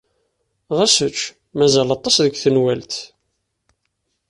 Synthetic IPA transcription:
ʁæsət͡ʃː | mæzælɑt̪ˤɑsðəɡʷθənwælt̪

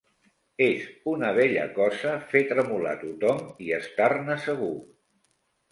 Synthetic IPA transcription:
ezunəβ̞ɛʎə̰kɔzəfet̪ɾəmula̰t̪ut̪ɔmiəst̪arnəsəɣ̞u

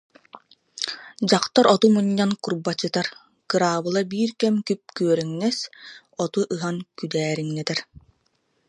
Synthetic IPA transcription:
d͡ʑaqt̪aɾɔt̪umuɲːankuɾbat͡ɕːɯt̪aɾ | kɯɾaːbɯlˠabiːɾkɛmkyp̚kyœɾɛŋnɛs | ɔt̪uʔɯɦaŋkyd̪ɛːɾiŋnɛt̪ɛɾ

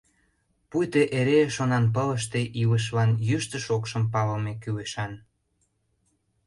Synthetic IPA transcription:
pujt̪eʔeɾeʃonɑnp̬ələʃt̪eʔiləʃ̬lɑnjyʃt̪ə̆ʃokʃəmpɑlɤmekyleʃɑn

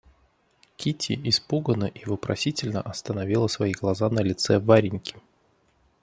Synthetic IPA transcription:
kʲitʲɪ̰ɪspuɡənəʔivɨpɾɐ̰sʲitʲɪlʲnəʔɐst̪ənɐvʲilˠəsvɐiɡlˠɐzanəlʲɪt̪sɛvaɾʲɪnʲkʲɪ̥

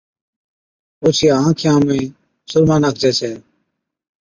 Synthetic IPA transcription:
oːt͡ʃʰiːaãːkʰɪjãːmĩː | sʊɾmãːnaːk̚ʰd͡ʒɛːsʰɛː

